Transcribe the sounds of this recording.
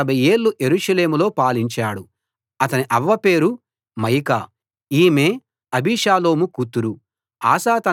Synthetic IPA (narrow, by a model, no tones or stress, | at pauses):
ɐbʱɐje̞ːɭːuʔje̞ɾuːʂɐle̞ːmulo̞ːpaːliɲt͡ʃaːɽu | ɐt̪ɐniʔɐʋːɐpe̞ːɾu | mɐjka | iːme̞ː | ɐbiːʂaːlo̞ːmukut̪ːuɾu | aːsaːt̪ɐ